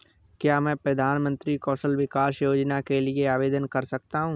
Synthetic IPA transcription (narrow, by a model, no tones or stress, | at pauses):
kjaːmɛ̃ːpɾɐd̪ʱaːnmə̃nt̪ɾikɔːʃəlʋɪkaːsjoːd͡ʒnakelieaːʋeːd̪ənkɐɾsɐk̚t̪aɦũː